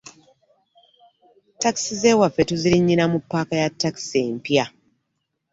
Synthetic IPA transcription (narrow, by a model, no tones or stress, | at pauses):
taki̥size̞ːwafːe̞tuziɾiɲːinamupːaːkajatːaki̥seːmpja